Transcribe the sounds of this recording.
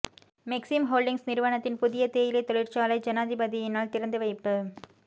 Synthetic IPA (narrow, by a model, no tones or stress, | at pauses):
mɛksɪmɦoːlɖɪŋsnɪɾɯʋɐnɐt̪ːɪnpʊðɪjɐt̪eːjɪlɐɪt̪ɔɭɪrt͡ʃaːlɐɪd͡ʒɐnaːðɪbɐðɪjɪnaːlt̪ɪɾɐnd̪ɯʋɐɪpːɯ